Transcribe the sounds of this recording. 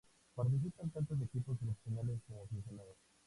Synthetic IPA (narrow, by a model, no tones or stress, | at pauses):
paɾt̪̬is̬ipant̪ant̪os̬ekiposelefsjonales̬komoafensjonaðos